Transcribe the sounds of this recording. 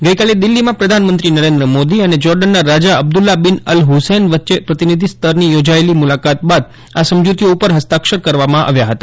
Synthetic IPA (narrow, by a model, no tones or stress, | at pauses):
ɡəjkaled̪ɪlːimãpɾəd̪ʱanmənt̪ɾinəɾẽnd̪ɾəmod̪iəned͡ʒɔɾɖənːaɾad͡ʒaəb̚d̪ulːabɪnəlɦusenʋət̪ːʃepɾət̪inid̪ʱist̪ʰəɾnijod͡ʒaelimulakat̪̚bad̪̚ | asəmd͡ʒut̪ijoupəɾɦəst̪akʃəɾkəɾʋamãʔa̰ʋjaɦət̪a